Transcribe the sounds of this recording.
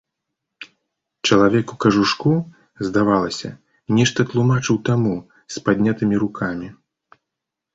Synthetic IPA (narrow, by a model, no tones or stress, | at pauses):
t͡ʂɐlˠavʲɛkukɐʐuʂku | zd̪avalˠɐsʲɐ̰ | nʲɛʂt̪ɐt̪lˠumat͡ʂɨwt̪amu | spad̪ʲnʲat̪ɨmʲiɾukʰamʲi